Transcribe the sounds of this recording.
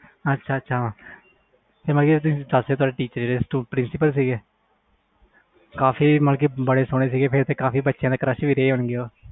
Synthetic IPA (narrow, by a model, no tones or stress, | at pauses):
ətːʃʰaːətːʃʰaːãː | pʰeːɾməlkeːt̪̬ʊsĩːd̪əseːt̪ʊaːɖeːʈiːt͡ʃəɾeɾeːsʈuːpɾɪnsɪpəlsiːɡeː | kaːfiːməlk̬iːbəɽeːsʊɽ̃eːs̬iːɡeːpʰeɾt̪eːkaːpiːbətːʃjãːd̪aːkəɾəʃʋiːɾeeːɦoɳɡeːoː